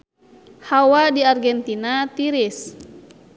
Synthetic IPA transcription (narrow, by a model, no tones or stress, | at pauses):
hawadiarɡɛnt̪inat̪iɾis